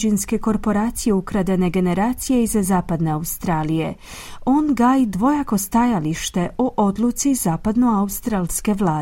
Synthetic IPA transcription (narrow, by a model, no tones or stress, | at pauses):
d͡ʒinske̞ko̞ɾpo̞ɾaːt̪sije̞ukɾad̪ene̞ɡe̞ne̞ɾaːt̪sije̞izazaːpad̪ne̞aust̪ɾaːlije̞̰ | oːnɡaːjid̪ʋo̞jako̞st̪ajaliʃt̪e̞ʔoʔo̞d̪lˠut̪sizaːpad̪no̞aust̪ɾalske̞ʋlaː